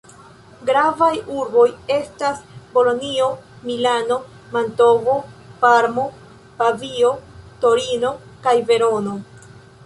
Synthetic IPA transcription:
ɡɾavajuɾbo̞je̞stasbo̞lo̞nio̞ | milano̞ | manto̞vo̞paɾmo̞ | pavio̞to̞ɾino̞kajve̞ɾo̞no̞

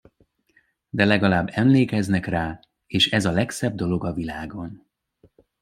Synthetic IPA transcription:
d̪ɛlɛɡɒlaːbːɛmleːkɛznɛkraː | eːʃɛzɒlɛksɛb̚d̪o̞lo̞ɡɒvilaːɡo̞n

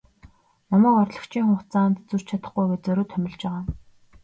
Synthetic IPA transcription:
nɔmæːkɔrɮə̆kt͡ɕʰiːŋχʊɴʰt͡saːnt̪t͡sur̥t͡ɕʰat̪ə̥̆χɡujɡet͡sɵɾoːt̪ʰœmʲɪ̆ɮt͡ɕpæːʁaː

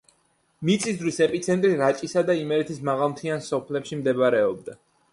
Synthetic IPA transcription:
mit̪sʰʼisd̪ɾwisɛpʼit̪sʰɛnt̪ʼɾiɾat͡ʃʼisad̪aimɛɾɛt̪ʰismaʁalˠmt̪ʰiansɔpʰlɛpʃimd̪ɛbɾɛɔb̚d̪a

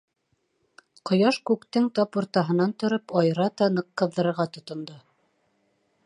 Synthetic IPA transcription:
qŏjɑʃkʉkt̪ɘŋt̪ɑpurt̪ɑɦɤ̆nɑnt̪ŏɾɤpɑjɾɑt̪ɑnɤ̆qːɤ̆ððɤ̆ɾɤ̆ɾʁɑt̪ŏt̪ŏnd̪o

